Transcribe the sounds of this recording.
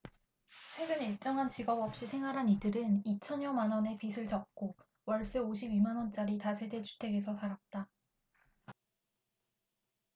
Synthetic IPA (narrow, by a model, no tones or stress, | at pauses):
t͡ɕʰwe̞ɡɯniɭt͡ɕ͈ʌŋɦant͡ɕiɡʌbʌp̚ɕ͈isʰe̞ŋɦwaɾɦanidɯɾɯnit͡ɕʰʌɲjʌmanwʌne̞pisʰɯɭt͡ɕʌp̚k͈o | wʌɭs͈ɯoɕ̬ʰibimanwʌnt͡ɕ͈aɾitasʰe̞de̞t͡ɕʰu̥tʰe̞ɡe̞sʰʌtaɾat̚t͈a